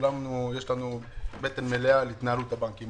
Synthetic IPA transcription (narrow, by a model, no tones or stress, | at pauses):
lamnujeʃlanubet̪enmelealit̪naɾut̪abaŋkim